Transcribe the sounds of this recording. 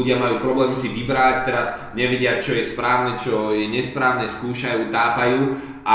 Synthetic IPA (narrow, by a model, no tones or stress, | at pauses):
uɟɪamajuːpɾɔblɛːmsiʋibɾact̪ɛɾazɲɛʋɛɟɪat͡ʃɔjɛspɾaːʊnɛt͡ʃɔjɛɲɛspɾaːʊɲɛskuːʃajuːt̪aːpajuː | ʔa